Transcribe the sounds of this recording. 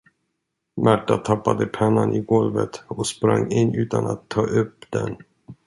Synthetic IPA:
mæʈːat̪ʰapːad̪əpʰɛnːanʔɪɡɔlvət̪ɔkspɾaŋːɪnːʉ̟ːt̪anat̪ʰːɑːʔɵpːd̪ɛ̰n

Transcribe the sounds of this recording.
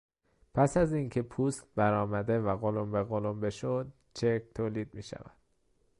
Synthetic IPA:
pʰæsæziŋcʲʰe̞pʰuːst̪̚bæɾɒːmæd̪e̞væɣolombeɣolombe̞ʃod̪̚ | t͡ʃʰekt̪ʰoːliːd̪̚miːʃæ̰væ̰d̪̥

